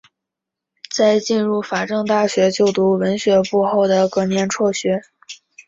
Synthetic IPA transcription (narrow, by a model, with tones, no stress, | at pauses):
t͡sa˥˧ɪt͡ɕi˥˧nɻu˥˩fa˨˩ʈ͡ʂɤ˥˧ŋt̪a˥˩ɕɥɛ˧˥t͡ɕjo˥˩ʊt̪u˧˥wə˧˥nɕɥɛ˧˥pu˥˧xo˥˩ʊd̪ə˩kɤ˥˩njɛ˥˧nʈ͡ʂʰwɔ˥˩ɕɥɛ˧˥